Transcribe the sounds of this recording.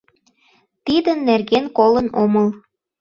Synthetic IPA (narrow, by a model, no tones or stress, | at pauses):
t̪id̪ənːerɣenkolənoməl